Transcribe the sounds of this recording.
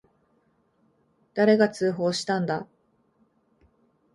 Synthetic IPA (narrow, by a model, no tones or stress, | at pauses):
d̪̥aɾe̞ɡat͡sɨːɦo̞ːɕi̥t̪ãnd̪a